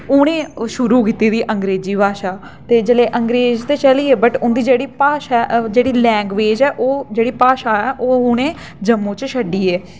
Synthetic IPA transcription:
ʊɽ̃ẽːʃʊɾuːkiːt̪iːd̪iːʔəŋɡɾeːziːbʱaːʃaː | t̪eːd͡ʒəleːʔəŋɡɾeːzt̪eːt͡ʃəliːeːbəʈʊnd̪iːd͡ʒeːɽiːpaːʃaːd͡ʒeːɽiːlɛ̃ːŋɡʋeːd͡ʒɛːʔoːd͡ʒeːɽiːpaːʃaːɛːʔoːɦʊɽ̃ẽː | d͡ʒəmːũːt͡ʃʃəɖiːeː

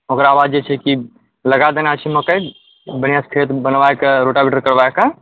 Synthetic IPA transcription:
okɾaaːʋad͡ʒjet͡ʃʰɛki | ləɡad̪enat͡ʃʰiməkəj | bənijaskʰɾet̪bənʋaekeɾoʈabiʈəɾkəɾbaeka

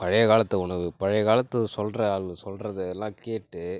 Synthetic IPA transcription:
pɐɻɐjɐɣaːlɐt̪ːɐʊɳɐʋɯpɐɻɐjɣaːlɐt̪ːɐsɔlrɐɐlɯsɔlrɐðɯɛlːãːkeːʈːɯ

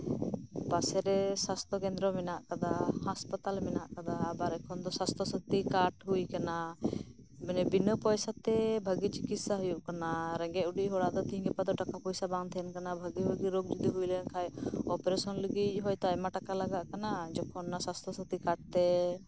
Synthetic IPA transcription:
pasɛɾɛsast̪ʰɔkɛnd̪ɾɔmɛnaʔkad̪ahaspat̪almɛnaʔkad̪aːbaɾɛkʰɔnd̪ɔsast̪ʰɔsət̪ikaʈɦujkana | mɛnɛbinəpɔjsat̪ɛbʱəɡit͡ʃikit̪saɦujuʔkanaɾɛŋɡɛuɖiʔɦɔɽaʔd̪ɔt̪ĩɡɛpad̪ɔʈakapɔjsabaŋt̪ʰɛnkanabʱəɡibʱəɡiɾoɡ̚d͡ʒud̪iɦujlənkʰajɔpɛɾɛsɔnləɡic̚ˀɦɔjt̪aɛmaʈakalaɡaʔkanad͡ʒɔkʰɔnːasast̪ʰɔsət̪ikaʈ̚t̪ɛ

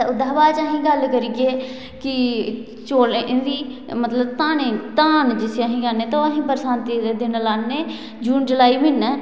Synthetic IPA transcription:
ʊd̪aːʋaːd͡ʒaɦĩːɡəlkəɾiːɡeː | kɪ | t͡ʃoːleʔɪ̃d̪iːmət̪ləbt̪aːnẽt̪aːnd͡ʒɪseaɦĩːkəɾneːt̪aaɦĩːpəɾsãːnt̪id̪eːd̪ɪnlaːnːeː | d͡ʒuːnd͡ʒəlaːiːmɪnːɛː

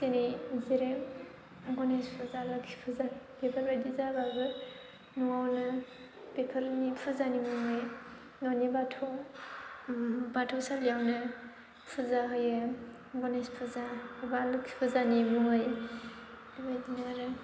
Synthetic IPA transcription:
senizeɾem | ɡɔnespʰɯzalɯkʰi̥pʰɯzanpepʰaɾbajdizabaɡɯ | nuawnɯ | bepʰaɾnipʰɯzanimɯŋɯj | nawnibatʰɔw | batʰɔwsalijawnɯ | pʰɯzaɦɯjɯ | ɡɔnespʰɯzabalɯkʰi̥pʰɯzanimuŋɯj | dbajdinaɾɯ

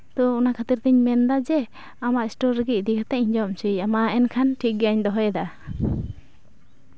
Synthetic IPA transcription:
t̪ɔɔnakʰat̪iɾt̪iɲmɛnd̪ad͡ʒɛ | amaʔisʈɔɾːəɡic̚ˀd̪ikʰat̪ɛʔiɲd͡ʒɔmt͡ʃʰijamaɛnkʰanʈʰikɡɛaɲd̪ɔɦɔjɛd̪a

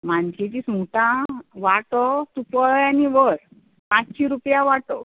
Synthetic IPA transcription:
mant͡ɕet͡ɕismuʈãʋaʈɔt̪upəɭaniʋəɾ | pãt͡ɕɕiɾupjaʋaʈɔ

